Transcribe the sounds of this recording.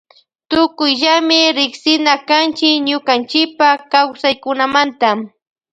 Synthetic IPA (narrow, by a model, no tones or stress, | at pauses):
t̪ʊkʊjʒamɪɾɪksɪnakant͡ʃɪkɲʊkant͡ʃɪpakawsajkʊnamant̪a